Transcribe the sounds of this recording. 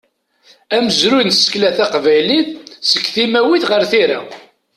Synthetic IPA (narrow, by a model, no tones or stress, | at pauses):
æməzɾujnsə̥klæθæqvæjliθsəkːθimæwiθʁəɾθiɾa